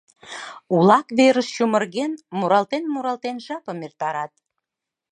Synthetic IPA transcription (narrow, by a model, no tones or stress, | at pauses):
ulɑkβeɾəʃʃumə̆rɣenmuɾɑlt̪enmuɾɑlt̪enʒɑpəmert̪ɑɾɑt̪̚